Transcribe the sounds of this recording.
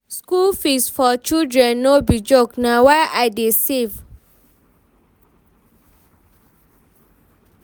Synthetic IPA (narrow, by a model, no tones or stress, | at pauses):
skulfisfɔt͡ʃildɹɛ̃nːobid͡ʒoknawaʔajdisiv